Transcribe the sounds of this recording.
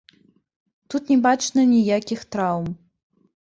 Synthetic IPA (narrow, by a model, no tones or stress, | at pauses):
t̪ut̪nʲɛbat͡ʂnɐnʲijakʲixt̪ɾawm